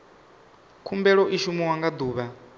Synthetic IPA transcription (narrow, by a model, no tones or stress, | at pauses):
kʰumbɛɺɔʔiʃumuwaŋɡad̪uːβa